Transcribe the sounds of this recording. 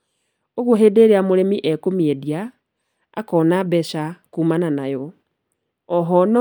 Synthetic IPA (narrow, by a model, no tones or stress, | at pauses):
oɣoɦedeɾeamoɾemiʔɛkomiedia | a̰kɔnabɛʃakuːmananajɔ | ɔɦɔnɔ